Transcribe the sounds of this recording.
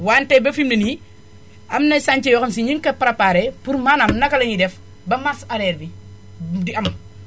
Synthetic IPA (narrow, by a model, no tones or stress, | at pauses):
waːntebɐfimnɐni | ɐmnɐsaɲt͡ʃijɔkɐmsiɲiŋkepɾɐpaɾepuɾmanamnɐkalɐɲidɛf | bɐmasaɾɛːɾbi | diɐm